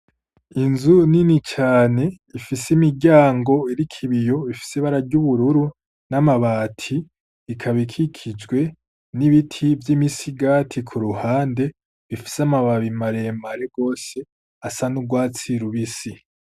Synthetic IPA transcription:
inzuninit͡ʃaːne̞ | ifisimiɟaːŋɡo̞iɾikʰiβijo̞βifi̥seβaɾaɾɟuβuɾuɾu | namaβaːtʰi | ikʰaβikʰikʰid͡ʒɡwe̞ | niβitʰivjimisiɡaːtʰikʰuɾuhaːnde̞ | βifi̥samaβaβimaɾemaɾe̞ɡ̥o̞ːse̞ | asanuɡwaːt͡siɾuβisi

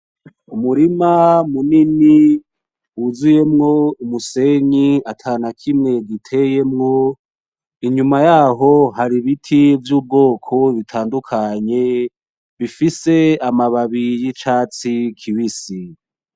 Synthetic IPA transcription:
umuɾimamunini | wuzuje̞mŋo̞umuse̞ɲiatʰanakʰimŋe̞ɡitʰe̞je̞mŋo̞ | iɲumajaːɦo̞ɦaɾiβitʰivjuːb̚ɡo̞ːkʰo̞βitʰaːndukʰaɲe̞ | βifise̞amaβaβijit͡ʃat͡sikʰiβisi

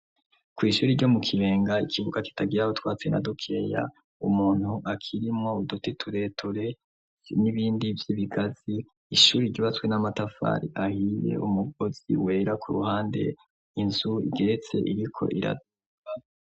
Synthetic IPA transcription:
kwiːʃuːɾiɾɟo̞mukʰiβeːŋɡaikiβuɡaki̥taɡiɾahotwaːt͡sena̰dukʰe̞ja̰ | umuːn̥huʔakʰiɾimŋo̞udutitʰuɾe̞tʰuɾe̞ | niβiːndivjiβiɡaziː | ʃuːɾiɟiβat͡swe̞namatafa̰ɾḭʔahije̞̰ʔumuɡ̚o̞z̥ḭwe̞ːɾakʰuɾṵhaːnde̞̰ | inzuḭɡe̞ɾet͡se̞̰ʔiɾikʰo̞̰ʔiɾa̰d | a

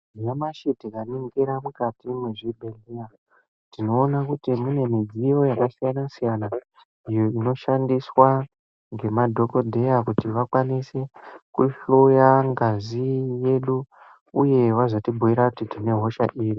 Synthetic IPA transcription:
jamaʃitikaniŋɡiɾamukatimeʐibʱelia | tino̞ːnakutimune̞mid͡zijo̞jakasijanasijana | ijo̞ino̞ʃandiswa | ŋɡe̞madʱo̞ko̞dʱe̞jakutiʋakwanise̞kuʃojaŋɡazije̞ɗu | uje̞ʋazotibʱuiɾakutitine̞ɦo̞ʃa̰ʔiːri

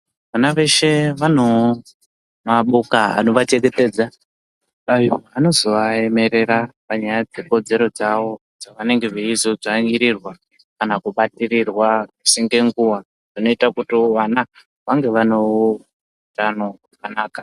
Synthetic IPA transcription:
ʋanaʋe̞ʃe̞ʋan̤o | maɓukaa̰no̞ʋat͡ʃeɡe̞te̞ːd͡za | ajoano̞zo̞ʋae̞me̞ɾe̞ɾapaɲajad͡ze̞ko̞d͡ze̞ɾo̞d͡zaʋo̞ | d͡zaʋane̞ŋɡe̞ʐeizob͡ʐaŋiɾirwa | kanakuɓatirirwaʐisiŋɡe̞ŋɡuwa | ʐ̥ino̞itakutiʋana | ʋaŋɡe̞ʋano | utanorakanaːka

